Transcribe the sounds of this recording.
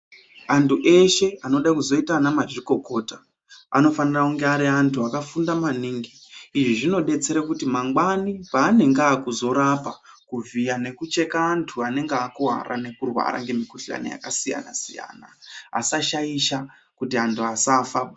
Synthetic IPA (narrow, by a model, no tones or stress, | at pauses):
antʰuʔe̞ʃe̞ano̞ɗakuzo̞itanamaʐiko̞ko̞ːta | a̰no̞fanirauŋɡeaɾiantʰuakafundamaniːŋɡiːʐiʐino̞ɗe̞t͡se̞ɾakutimaŋɡwanipaːne̞ŋɡaːkuzo̞ɾapa | kuvijane̞kut͡ʃe̞kaːntʰuane̞ŋɡakuɦa̰ɾʔa̰ne̞kurwa̰ɾa̰ŋɡe̞mikuɬa̰na̰ja̰kasija̰na̰sija̰ːna̰a̰saʃaiʃa | kutiantʰuasafaa